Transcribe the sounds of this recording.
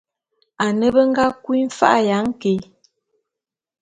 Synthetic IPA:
a˨nə˦bə˦ŋ˦ɡa˦kwi˦m̩˦fa̰˦ʔja˨˦ŋ̩˦ke˨˦

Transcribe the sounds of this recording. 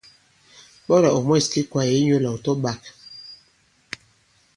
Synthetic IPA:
ɓɔ˦ɾa˨o˨mɔ˦˨ski˦kwa˨je˨˦ɲu˦˨lɔ˨tɔ˦ba˨k

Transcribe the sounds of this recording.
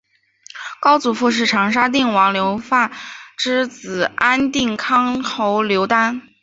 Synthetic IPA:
kɑ˥ʊt͡su˨˩fu˥˧ʂ̬ɻ̩˥˩ʈ͡ʂʰɑ˧˥ŋʂ̬a˥t̪̬i˥˩ŋwɑ˧˥ŋljo˧˥ʊfa˥˩ʈ͡ʂɻ̩˥t͡sɹ̩˨˩a˥nt̪i˥˩ŋkʰɑ˥ŋxo˧˥ʊljo˧˥ʊt̪a˥n

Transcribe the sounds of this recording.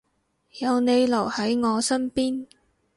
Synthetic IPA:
jɐ˨˧wne˨˧jlɐ˨˩whɐ˨˥jŋɔː˨˧sɐ˥npiː˥n

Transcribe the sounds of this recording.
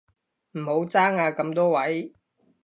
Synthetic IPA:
m̩˨˩ho˨˥wt͡saː˥ŋaː˧kɐ˧mt̪ɔː˥wɐ˨˥j

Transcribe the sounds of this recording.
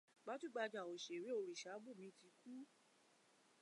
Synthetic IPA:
ɡ͡ba˨˦tu˦˨ɡ͡ba˧d͡ʒa˨o˨ʃe˨ɾe˨˦o˨ɾi˨ʃa˨˦ɡ͡bu˦˨mĩ˧˦ti˧ku˦

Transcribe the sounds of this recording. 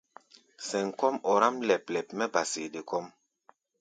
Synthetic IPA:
sɛ˨ŋ˨kɔ˦mɔ˨ɾa˦mlɛ˨plɛ˨pmɛ˦ba˨se˨de˨kɔ˦m

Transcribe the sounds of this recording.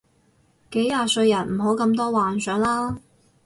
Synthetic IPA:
ke˨˥jːaː˧sɵ˧ɥjɐ˨˩nm̩˨˩ɦo˨˥wkɐ˧mt̪̬ɔː˥waː˨nsœː˨˥ŋlaː˥

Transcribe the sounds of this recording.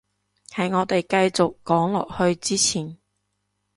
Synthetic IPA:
hɐ˨˥jŋɔː˨˧t̪e˨jkɐ˧jt͡sʊ˨kːɔː˨˥ŋlɔ̰ː˨k̚hɵ˧ɥt͡siː˥t͡sʰiː˨˩n

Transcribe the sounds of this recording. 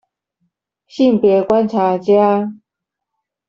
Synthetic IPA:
ɕi˥˨mpjɛ˨˦kwa˦˥nt͡sʰa˨˦t͡ɕja˦

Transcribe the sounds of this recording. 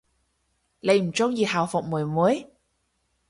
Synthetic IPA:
le˨˩jm̩˨˩t͡ɕo˧ŋji˨˩haː˨˩wfʊ˨˩k͡p̚mu˨˩əjmu˨˦əj

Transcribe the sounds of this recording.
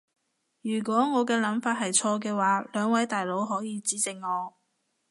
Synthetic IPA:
jyː˨˩kʷɔː˨˥ŋɔː˨˧kɛː˧lɐ˨˥mfaː˧t̚ɦɐ˨jt͡sʰɔː˧k̬ɛː˧waː˨˥lœː˨˧ŋwɐ˨˥jt̪aː˨jlo˨˥wɦɔː˨˥jiː˨˧t͡siː˨˥t͡sɪ˨ŋːɔː˨˧

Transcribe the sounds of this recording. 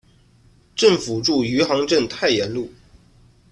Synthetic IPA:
ʈ͡ʂə˥˩ŋfu˨˩ʈ͡ʂu˥˩y˧˥xɑ˧˥ŋʈ͡ʂə˥˧˩nt̪ʰa˥˩ɪjɛ˧˥nlu˥˩

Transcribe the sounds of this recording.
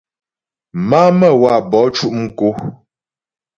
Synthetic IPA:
ma˦mə˦˨wa˨bɔ˨˦t͡ʃu˦ʔm̩˦ko˦

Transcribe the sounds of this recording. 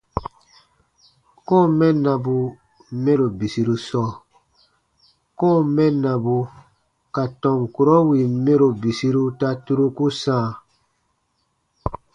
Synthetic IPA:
kɔ̃ː˦˨mɛ̃˦nã˨bu˨ | mɛ̃˦ɾo˨bi˨si˨ɾu˧sɔ˦˨ | kɔ̃˦˨mɛ̃˦nã˨bu˧ | ka˨tɔ̃˨mku˨ɾɔ˦wi˨mẽ˦ɾo˨bi˨si˧ɾu˧ta˧tu˦ɾu˦ku˦sãː˦˨

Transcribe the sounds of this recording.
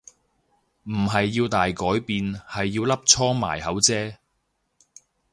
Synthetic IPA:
m̩˨˩ɦɐ˨jːiː˧wt̪aː˨jkɔː˨˥jpiː˨nhɐ˨jːiː˧wlɐ˥p̚t͡ʃʰɔː˥ma̰ː˨˩jhɐ˨˥wt͡sɛː˥

